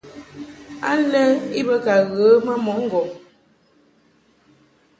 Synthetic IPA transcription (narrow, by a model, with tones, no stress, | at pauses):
a̰˦lɛ˦i˦bə˦ka˨ɣə˨˦ma˦mɔ˨˦ŋ̩˦˨ɡɔ˨m